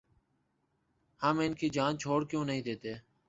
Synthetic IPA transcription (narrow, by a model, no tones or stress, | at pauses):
həːmɪnkiːd͡ʒaːnt͡ʃʰoːɽkjõːnəɦĩːd̪eːt̪eː